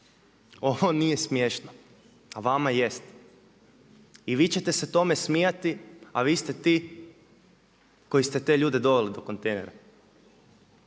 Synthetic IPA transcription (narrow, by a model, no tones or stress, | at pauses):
oʋonije̞smjeʃno | aʋamajest̪ | iʋiːt͡ɕe̞t̪e̞set̪o̞me̞smijat̪ia̰ʋiːst̪et̪iː | ko̞jist̪e̞t̪e̞ʎuːd̪e̞d̪o̞ʋelid̪o̞ko̞nt̪e̞jnḛɾa̰